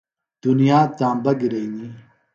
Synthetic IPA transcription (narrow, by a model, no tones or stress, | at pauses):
d̪̥unijaːt̪ãːmbɐɡiɾeŋi